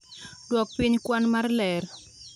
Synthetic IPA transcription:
dwɔk̚piɲkwanmarlɛr

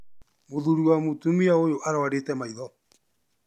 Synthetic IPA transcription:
moðuɾuwamotumiaojoʔaɾawaɾetɛmaiðɔ

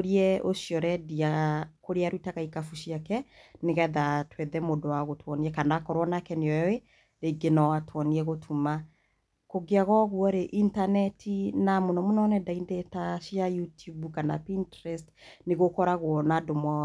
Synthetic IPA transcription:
oɾiɛoʃjɔɾɛdiakoɾeaɾwitaɣaikafuʃiakɛneɣɛðatwɛðɛmodowaɣotʰwɔniɛkanakɔɾwɔnakɛneɔwe | ɾeɡenɔwatwɔniɛɣotʰuma | koɡeaɣɔɣwɔɾeʔintanɛtʰinamonɔmunɔnɛdaindetaʃjajutubukana̰pintɾɛstneɣokɔɾaɣwɔnadomɔ

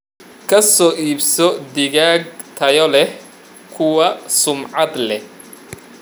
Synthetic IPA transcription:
kʰɐsɔːʔiːbsɔd̪ɪɣaːɡ̚t̪ʰɐjɔlɛh | kʰʊwɐsʊmʕɑd̪lɛh

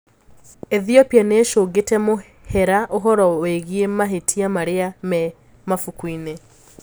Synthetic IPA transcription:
eðiɔpianeːʃoːɡetɛmo | hɛɾaʔoɦɔɾɔweɣiemaɦetʰiamaɾeamɛ | mafukwine

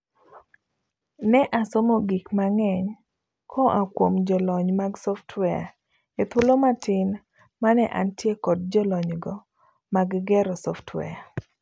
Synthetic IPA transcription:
nɛʔasomoɡikmaŋɛɲ | kʰɔʔakwomd͡ʒɔlɔɲmaɡsɔftwɛja̰ | et̪wolomatʰɪn | manɛʔantjekɔd̚d͡ʒɔlɔɲɡɔ | maɡɡɛɾɔsɔftwɛ̰a

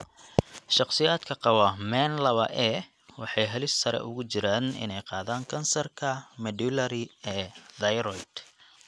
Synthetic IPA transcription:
ʃɑqsɪjaːd̪kʰɐqɑwɐmɛːnlɐβɐʔɛː | wɑħɑjɦɐlɪsːɐɾɛ̰ʔʊ̰ɣʊt͡ʃɪɾaːnɪ̰nɛjqɑːðaːŋkʰɐnsɐrkʰɐmɐd̪ulɐɾɪɛːðɐjɾɔjd̪̥

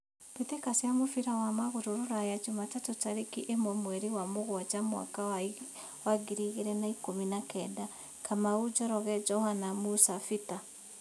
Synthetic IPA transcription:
petekasjamofiɾawamaɣoɾoɾoɾajad͡ʒumatatotaɾekiʔemɛmwɛɾiwamoɣwat͡ʃamwa̰kawa | waɡiɾiɣeɾɛnaikominakɛda | kamaɣud͡ʒɔɾɔɣɛd͡ʒɔhanamusafita

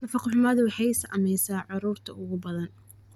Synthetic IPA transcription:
nɐfɑqʊħʊmɐðʊwɑħɑjsɐʔɐ̰mɛjsaːʕʊɾuːrt̪ʰɐʊɣʊbɐðɐn

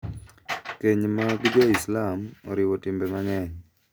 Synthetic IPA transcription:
keɲmaɡd͡ʒɔislamɔ̰ɾɪwotɪmbɛmaŋɛɲ

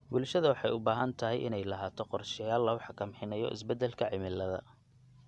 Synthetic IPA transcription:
bʊlʃɐðɐwɑħɑjʊbaːɦɐnt̪ʰɐɦɛjʔɪ̰nɛjlɐɦaːt̪ʰɔqɔrʃɪjaːlːɐʊħɑkʰɐmħɪnɐjɔ̰ʔɪ̰sbɛd̪ːɛlkʰɐʕɪmɪlːɐðɐ̰

